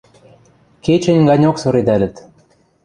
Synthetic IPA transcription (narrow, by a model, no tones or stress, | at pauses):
ket͡ɕɘ̆nʲɡɑnʲoksɤ̆ɾid̪ælʲɘ̆t̪